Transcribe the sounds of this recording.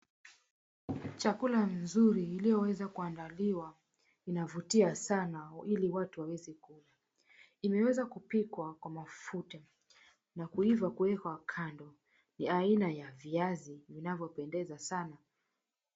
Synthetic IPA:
t͡ʃakulanzuɾiːlijɔwɛzakuandaliwa | inavutiasanailiwatuwawɛzɛkula | imɛwɛzakupikwakwamafuta | nakuivakuwɛkakʰandɔ | niainajaviazivinavjɔpɛndɛzasana

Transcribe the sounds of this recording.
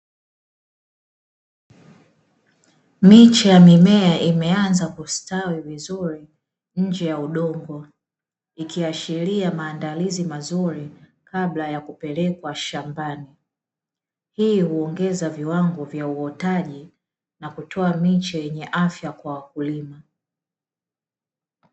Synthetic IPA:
mit͡ʃajamimɛaʔimɛanzakustawivizuɾi | ɲ̩d͡ʒɛjauɗɔŋɡɔ | ikiaʃiɾiamaːndalizimazuɾikaɓlajakupɛlɛkwaʃambani | hihuɔŋɡɛzaviwaŋɡɔvjauɔtaʄi | nakutʰɔamit͡ʃajɛɲɛʔafjakwawakulima

